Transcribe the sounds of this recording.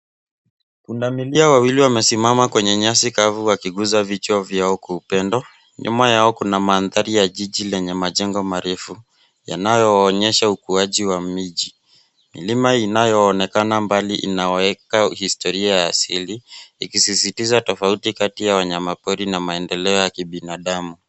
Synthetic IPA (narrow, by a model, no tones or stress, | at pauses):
kundamiliawawiliwamɛsimamakwɛɲɛɲasikavuwakiɠuzavit͡ʃɔvjaɔkwɔupɛndɔ | ɲṵmajaɔkunamaːnðaɾijaʄiʄilɛɲɛmaʄɛŋɡɔmaɾɛfu | ja̰najɔːɲɛʃaukuaʄiwamiʄi | milimainajɔːnɛkanambaliʔḭnaɔɛkahistɔɾiajaːsiliikisisitizatɔfautikatijawaɲamapɔɾinamaɛndɛlɛɔjakiɓinaɗamu